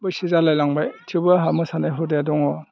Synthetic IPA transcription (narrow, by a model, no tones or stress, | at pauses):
bɔjsizalajlaŋbajtʰubaɦamɯsanajɦɔdeadɔŋɔ